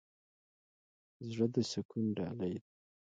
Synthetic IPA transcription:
zɻəd̪əsɪkunɖɑlajd̪̚

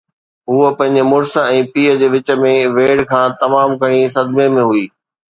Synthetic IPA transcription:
ɦʊəpɐ̃ɦɪ̃ɲd͡ʑmʊɾsəɛ̃ːpiːəd͡ʑeːʋɪt͡ɕ̆mẽʋeːɽkʰãːt̪ɐmaːmkɐɽ̃isɐd̪memẽɦuiː

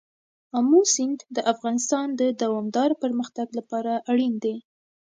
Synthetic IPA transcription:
amusɪnd̪d̪əʔafɣɑnɪst̪ɑnd̪əd̪awɑmd̪ɑɾpəɾməxt̪aɡlapɑɾaʔaɽind̪e

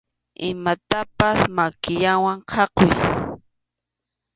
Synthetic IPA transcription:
ɪmat̪apasmakɪjawaɴqʰɑqoj

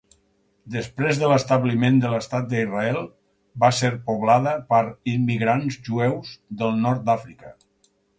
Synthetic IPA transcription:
d̪əspɾezðələst̪əβlimend̪ələst̪at̪̚d̪əiraɛlˠ | baseɾpuβlaðəpəɾimːiɣɾanzʒuɛwzðəlˠnɔɾt̪̚d̪afɾikə

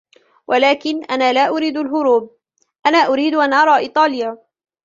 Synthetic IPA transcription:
wʔalaːkɪnʔanaːlaːʔʊɾiːd̪alɦʊɾuːb̚ | ʔanaːʔʊɾiːd̪ʔanʔɑɾˤɑːʔɪt̪ˤɑːlɪjaː

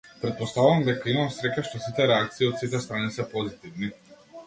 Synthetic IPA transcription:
pɾɛt̪̚post̪avuvamd̪ɛkaimamsɾɛcaʃt̪osit̪ɛɾɛak̚t̪siiot̪sit̪ɛst̪ɾaːnisɛpozit̪ivni

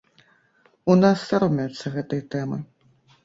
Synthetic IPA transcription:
unasːaɾɔmʲɛjut̪sːɐɣɛt̪ɨjɐt̪ɛmɨ

